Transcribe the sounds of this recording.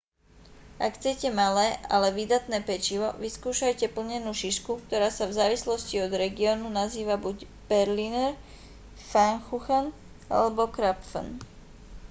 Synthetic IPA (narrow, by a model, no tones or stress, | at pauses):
ʔakxt͡sɛcɛmalɛːʔa̰lɛʋid̪at̪nɛːpɛt͡ʃiʋɔʋiskuːʃajcɛpl̩ɲɛnuːʃiʃkuk̚t̪ɔɾaːsavzaːʋislɔsciɔd̪ɾɛɡiɔːnunaziːʋabuc | b̥ɛɾlinɛɾ | faŋxuxan | a̰lɛbɔkɾapfə̰n